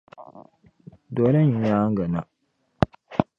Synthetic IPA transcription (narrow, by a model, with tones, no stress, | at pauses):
dɔ˨˦la˦ɲi˨ɲaː˦ŋ̩˦ɡa˨na˨